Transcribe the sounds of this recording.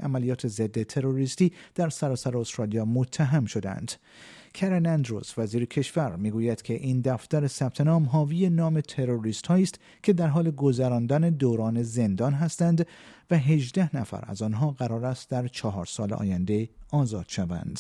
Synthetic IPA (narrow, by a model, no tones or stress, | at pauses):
ʔæmælijɒːt̪ʰe̞ze̞d̪ːe̞t̪ʰe̞ɾo̞ɾiːst̪iːd̪̥æɾsæɾɒːsæɾeost̪ɾɒːlijɒːmot̪ʰːæɦæmʃo̞d̪æ̰nd̪̥ | kʰeɾenænd̪ɾo̰svæziːɾecʰe̞ʃvæɾmiːɡuːjæd̪̥kʰe̞ʔind̪æft̪æɾe̞sæb̥̚t̪ʰe̞nɒːmɦɒːvijenɒːme̞t̪ʰe̞ɾo̞ɾiːst̪hɒːiːst̪ | kʲʰe̞d̪æɾɦɒːle̞ɡo̞zæɾɒːnd̪æne̞d̪oːɾɒːne̞ze̞nd̪ɒːnɦæst̪ænd̪væɦe̞ʒd̪æhnæfæ̰ɾæ̰zɒːnɦɒːɣæɾɒːɾæst̪d̪æɾt͡ʃʰɒɦɒːɾsɒːleʔɒ̰ːjænd̪e̞ɒːzɒːd̪̥ʃævæ̰nd̪̥